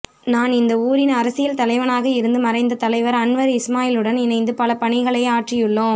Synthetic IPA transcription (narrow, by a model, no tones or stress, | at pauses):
naːnɪnd̪ɐuːɾɪnɐɾɐsɪjɪlt̪ɐlɐɪʋɐnaːɣɐɪɾɯnd̪ɯmɐɾɐɪnd̪ɐt̪ɐlɐɪʋɐɾɐɳʋɐɾɪsmaːjɪlɯɽɐnɪnɐɪnd̪ɯpɐlɐpɐɳɪɣɐɭɐaːʈrɪjɯɭːoː